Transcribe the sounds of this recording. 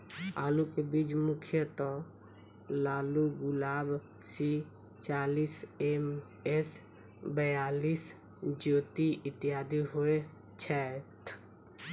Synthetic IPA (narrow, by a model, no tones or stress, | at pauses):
aːlukebid͡ʒmʊkʰjət̪ɔ | laːluɡʊlaːb | si | t͡ʃaːliːsem | es | bəjaːliːs | d͡ʒoːt̪iʔɪt̪ijaːd̪iɦoe | t͡ʃʰɛt̪ʰ